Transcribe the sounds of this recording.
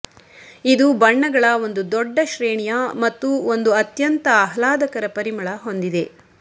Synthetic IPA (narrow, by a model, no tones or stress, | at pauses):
id̪ubɐɳːɐɡɐɭɐo̞nd̪ud̪ɔɖːɐʃɾeːɳijɐmɐt̪ːuond̪uɐt̪jɐnt̪ɐːɦɐlaːd̪ɐkɐɾɐpɐɾimɐɭɐɦo̞nd̪id̪e̞